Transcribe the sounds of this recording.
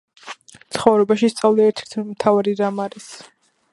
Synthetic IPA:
t̪sχɔvɾɛbaʃist̪sʼavliɛɾt̪ʰɛ̥ɾt̪ʰmt̪ʰavaɾiɾamaɾɛs

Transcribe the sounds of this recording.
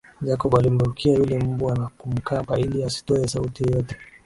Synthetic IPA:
d͡ʒakɔɓalim̩ɾuɾukʰiajulɛm̩buanakum̩kapailiasi̥tɔɛsautijjɔtɛ̥

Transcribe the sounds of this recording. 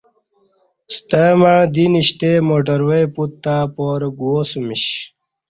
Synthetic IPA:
st̪əmaɳ̃d̪iniɕt̪emoʈ̬əɾwejput̪ːaːpoːɾɡuosumiɕ

